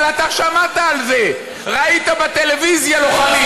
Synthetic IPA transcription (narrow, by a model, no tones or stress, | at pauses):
lat̪aʃamat̪aːlze̞ | ʁait̪abat̪e̞levizjaloχani